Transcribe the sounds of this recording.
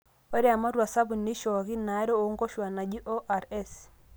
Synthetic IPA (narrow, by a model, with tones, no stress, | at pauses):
o˦ɾe˦a˨ma˦ɾwa˨sa˦bu˨nːi˦ʃɔ˨ɣi˦na˨˦ɾo˦o˨˦ŋɡo˦ʃwa˨na˨d͡ʒi˦ʔo˦ʔa˨ɾɛ˦s